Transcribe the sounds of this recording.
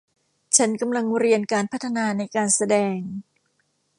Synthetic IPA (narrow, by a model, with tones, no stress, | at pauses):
t͡ɕʰa˦˥nka˧mla˧ŋɾi˧ənkaː˧npʰa˦˥t̪ʰːa˧naː˧na˧jkaː˧nsa˧dɛː˧ŋ